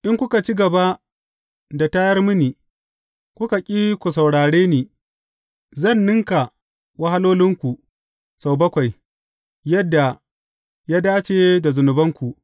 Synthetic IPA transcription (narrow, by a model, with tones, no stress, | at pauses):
ʔɪ˦ŋkʷʊ˦ka˨t͡ʃi˦ɡɐ˨ba˦ | da˨ta˦jɐ˦rmʊ˦niː˨ | kʷʊ˦ka˨kʲʼiː˦kʷu˨sa˨wɽaː˨ɽeː˦niː˨ | zɐ˦˨nːɪ˦ŋka˨ | wa˦ha˦loː˦lɪ˦ŋkʷu˨ | sa˨wbɐ˦kʷa˨j | jɐ˦dːa˨ | jaː˦daː˦t͡ʃe˨da˨zʊ˨nʊ˨bɐ˦ŋkʷu˨